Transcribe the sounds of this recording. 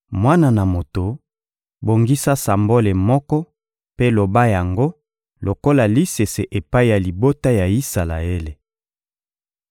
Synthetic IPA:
mwa˦na˦˨na˨mo˨to˨ | bo˨ŋɡi˦sa˦sa˨mbo˦le˨mɔ˦kɔ˦ | pe˦lo˨ba˦ja˨ŋɡo˦ | lo˨ko˦la˨li˦se˨se˨ʔe˨pa˦i˦˨ja˨li˨bo˦ta˦ja˨i˦sa˨la̰˨e˦le˨

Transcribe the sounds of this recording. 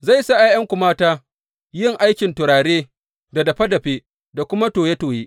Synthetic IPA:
za˦˨jsa˦ʔa˦jɐ˦ŋkʷʊ˨maː˦taː˦ | jɪ˦˨ŋʔa˦jkʲɪ˨ntʊ˨ɾaː˨ɽeː˦ | da˨dɐ˨ɸɐ˦dɐ˨ɸeː˦ | da˨kʷʊ˦ma˦toː˨je˦toː˨jeː˦ʔ

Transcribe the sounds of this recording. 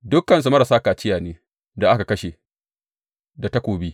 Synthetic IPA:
dʊ˦kːɐ˨ns̬u˨mɐ˦ɾa˨saː˦kaː˨t͡ʃɪ˦jaː˨neː˦ | da˨ʔa˦ka˨kɐ˦ʃe˨ | da˨tɐ˦kʷoː˨biː˦

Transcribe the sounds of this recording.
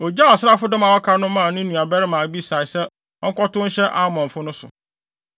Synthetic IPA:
o˨d͡ʑa˦ɔ˨sa˦fʊ˦dɔ̃˦mã˨wɔ˦kʰa˦nʊ̃˦mãː˦˨nʊ̃˦nũ˨a˨bɛ˦ɾɪ˦mãː˨˦bi˦sa˨ɪ˨sɛ˦ | ɔ˦ŋ̩˦kʷɔ˦tʊ˦n̩˦ɕɛ˦ʔa˦mɔ̃˨ɱ̩˨fʊ˦nʊ̃˦sʊ̰˨

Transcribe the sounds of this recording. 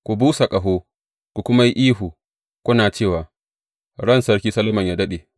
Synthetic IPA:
kʷu˨buː˦sa˨kʼɐ˨ɦoː˦ | kʷu˨kʷʊ˦ma˦ji˦ʔiː˦ɦuː˨ | kʷʊ˦naː˨t͡ʃeː˦˨waː˨ | ɽɐ˦˨nsɐ˦ɽkʲiː˦sɐ˦lɐ˦mɐ˨ɲjaː˦dɐ˦ɗeː˨

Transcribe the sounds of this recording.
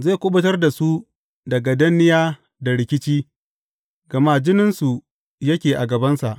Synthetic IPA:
zeː˦˨kʷʊ˦ɓɐ˦tɐ˦rda˨su˦ | dɐ˨ɡa˨dɐ˦nːɪ˦jaː˦ | da˨ɽɪ˨kʲɪ˦t͡ʃiː˦ | ɡɐ˨maː˦d͡ʒɪ˦nɪ˦nsu˨ | jɐ˦kʲeː˨ʔa˨ɡɐ˨bɐ˦nsa˨ʔ

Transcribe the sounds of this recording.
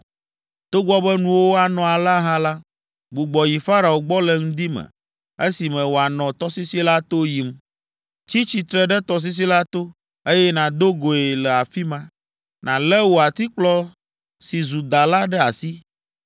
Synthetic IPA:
t̪o˦ɡ͡bɔ˦bɛ˦nũ˨wo˦a˨nɔ̃˨a˨la˦ɦã˦la˦ | ɡ͡bu˨ɡ͡bɔ˨ji˨fa˦ɾa˨o˨ɡ͡bɔ˦lɛ˨ŋ̩̃˦d̪i˦mɛ̰˨ | e˦si˨mɛ̃˨wo˨a˨nɔ̃˨t̪ɔ˦si˦si˦la˦t̪o˦ji˨m | t͡ɕi˦t͡ɕi˨t̪ɾɛ˦ɖɛ˦t̪ɔ˨s̬i˦s̬i˦la˦t̪o˦ | e˦jɛ˦nã˨d̪o˦ɡo˨e˨lɛ˨a˨fi˦mã˦ | nã˨lɛ˦wo˨a˨t̪i˦k͡plɔ˦ | si˨zu˨d̪a˨la˦ɖɛ˦a˨si˦

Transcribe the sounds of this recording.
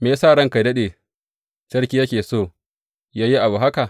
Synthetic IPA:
meː˨saː˦˨ɽɐ˦ŋka˨dɐ˦ɗeː˨ | t͡ʃɐ˦rkʲiː˦jɐ˦kʲeː˨soː˦˨ | jaː˦ji˦ʔa˨buː˨ɦa˦ka˨ʔ

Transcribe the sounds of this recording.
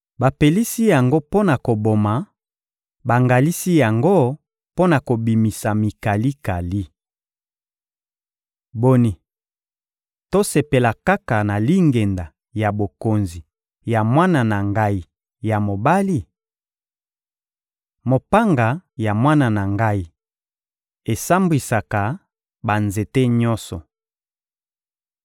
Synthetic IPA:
ba˨pe˨li˦si˦ja˨ŋɡo˦po˦na˨ko˨bo˨ma˨ | ba˨ŋɡa˨li˦si˦ja˨ŋɡo˦ | po˦na˨ko˨bi˨mi˨sa˨mi˨ka˨li˦ka˨li˦ | bo˦ni˨ | to˦se˨pe˨la˨ka˦ka˨na˨li˦ŋɡe˨nda˨ | ja˨bo˨ko˨nzi˨ | ja˨mwa˦na˨na˨ŋɡa˦i˨ | ja˨mo˨ba˦li˦˨ | mo˨pa˦ŋɡa˨ja˨mwa˦na˨na˨ŋɡa˦i˨ | e˨sa˦mbwi˨sa˨ka˨ | ba˨nze˨te˦ɲɔ˦nsɔ˨

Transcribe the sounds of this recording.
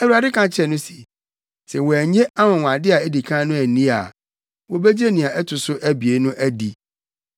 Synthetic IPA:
æ˨wu˨˦a˨dɪ˦kʰã˨t͡ɕʰɛ˨nʊ̃˦si˨ | sɛ˨wɔ˨æ˨ɲẽ˦a˦wɔ̃˨wã˨dɪ˦a˨e˦di˨kʰã˦nʊ̃˦æ˨nĩ˦a̰˨ | wɔ˨bɛ˦d͡ʑe˦nĩ˨ã˨ʔɛ˦tʰʊ˨sʊ˦ʔæ˦bi˨e˨˦nʊ̃˦ʔæ˦di˨

